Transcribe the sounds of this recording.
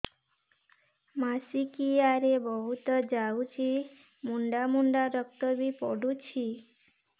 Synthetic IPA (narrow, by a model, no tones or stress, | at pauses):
masikiaɾebɔɦut̪əd͡ʒaut͡ʃʰi | muɳɖamuɳɖaɾək̚t̪əbipɔɽut͡ʃʰi